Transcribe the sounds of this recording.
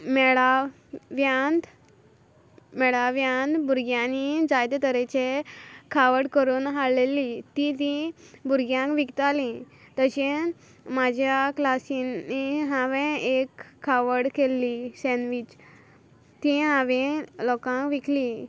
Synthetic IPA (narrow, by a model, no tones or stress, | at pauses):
mɛɭa | ʋjand̪ | mɛɭaʋjãnd̪bʱuɾɡjanid͡zajt̪et̪əɾet͡ɕekʰaʋəɽkəɾuːnɦaɭlelit̪it̪ĩbʱuɾɡjãŋkʋikt̪alĩ | t̪əɕẽ | mad͡ʑʱjaklasinːiɦãʋẽekʰːaʋəɽkelːisenʋit͡ɕ | t̪ĩɦãʋẽlɔkãkʋikʰli